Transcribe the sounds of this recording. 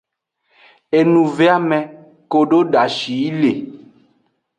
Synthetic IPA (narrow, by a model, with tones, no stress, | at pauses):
e˨nũ˨ve˦a˦mɛ̃˨ | ko˨ɖo˦ɖa˨ʃi˨˦le˨